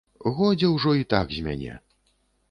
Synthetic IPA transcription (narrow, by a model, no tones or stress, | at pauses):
ɣɔd͡zʲɛwʐɔit̪aɡzʲmʲa̰nʲɛ̰